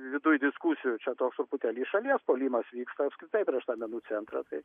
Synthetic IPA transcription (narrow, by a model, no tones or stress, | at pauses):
ʋʲɪd̪ʊjd̪ʲɪskusʲɪjʊt͡ʃʲɛt̪oːksʊɾpʊt̪ʲɛːlʲiːʃɐlʲiɛspoːlʲiːmɐsʋʲiːkst̪ɐɐpskɾʲɪt̪ɐɪpʲɾʲiɛʃt̪ɑːmʲɛnuːt͡s̪ʲɛnt̪ɾɑ̰ːt̪ɐɪ